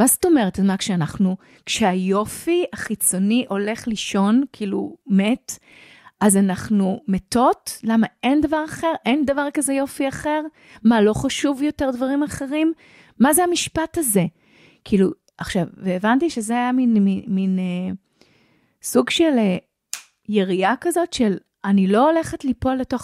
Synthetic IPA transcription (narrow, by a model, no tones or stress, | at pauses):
masto̞me̞ʁetazmakʃeanaχnu | kʃeajo̞fiaχit͡so̞niʔo̞le̞χliʃo̞nkʰiːlṵme̞t | azanaχnumeto̞tlamae̞nd̪avaʁaχeʁʔe̞nd̪avaʁkazejo̞fiaχe̞ʁ | malo̞χaʃuvjo̞te̞ʁdvaʁimaχe̞ʁimː | azeamiʃpathaze̞ | kiːlu | aχʃavveːvantiʃezeajaminimine | suɡʃe̞le | jeʁiakazo̞tʃel | anilo̞ole̞χetlipolːeto